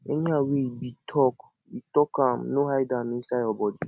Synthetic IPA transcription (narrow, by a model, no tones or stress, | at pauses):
eɲaweibitʰɔk | itɔkam̩noɦajdaminsaɔbɔdi